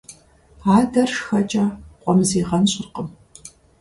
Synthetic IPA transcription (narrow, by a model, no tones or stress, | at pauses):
aːdɐrʂxɐt͡ʃʼaːqʷʼɔmziːʁɐnɕʼɪrqəm